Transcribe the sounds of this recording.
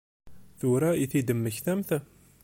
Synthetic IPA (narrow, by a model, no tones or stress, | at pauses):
θʊɾaiθid̪əmːəçθæmθ